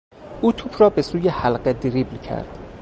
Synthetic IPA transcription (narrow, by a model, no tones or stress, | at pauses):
ʔuːt̪ʰuːbrɒːbesuːjehælɢed̪iɾiːblcʰæ̰ɾd̪̥